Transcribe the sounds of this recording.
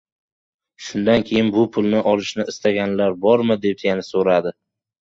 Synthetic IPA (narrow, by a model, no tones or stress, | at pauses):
ʃʊnd̪ankʲʰe̞jɪnbʊpʰʊlˠnɪʔɒlˠɪʃnɪɪst̪aɡʲanlaɾbɒɾmɪd̪e̞p̪̚janasoɾad̪ɪ